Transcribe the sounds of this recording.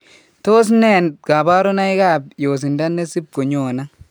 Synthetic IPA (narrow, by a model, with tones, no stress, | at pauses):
to˦s̬ne˦˨nɡa˨ba˦ɾo˦na˦jɡa˦˨bjo˨s̬i˨nda˦nːe˦si˦p̚ko˨ɲo˨na˦